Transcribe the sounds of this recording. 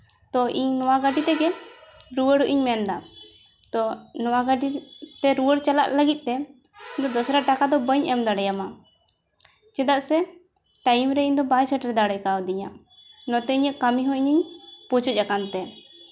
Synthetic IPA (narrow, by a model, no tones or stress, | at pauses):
t̪ɔiɲnɔwaɡaɖit̪ɛɡɛɾuwəɽuʔiɲmɛnd̪a | t̪ɔnɔwaɡaɖit̪ɛɾuwəɽt͡ʃala̰ʔləɡit̪̚ˀt̪ːɛ | ɲd̪ɔd̪ɔsɾaʈakad̪ɔbəɲɛmd̪aɽɛjama | t͡ʃɛd̪aʔsɛ | ʈajmɾɛiɲd̪ɔbajsəʈɾɛd̪aɽəjkawd̪iɲa | nɔt̪ɛiɲəʔkamiɦɔ̃iɲiɲpɔt͡ʃuˀakant̪ɛ